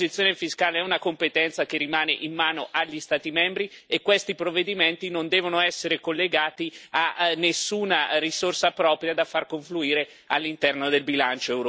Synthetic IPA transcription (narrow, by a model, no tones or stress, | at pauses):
zit̪sjoːnefiskaːleɛunakompet̪ɛnt̪sakerːimaːneʔinmaːnoʔaʎːist̪aːt̪imɛmbɾiekːwest̪ipɾovːed̪iment̪inond̪ɛːvonoɛsːeɾekolːeɡaːt̪ianːesːuːnarisorsapɾɔːpɾjad̪afːarkoɱfluiːɾe | alːint̪ɛrnod̪elbilant͡ʃoɛwɾ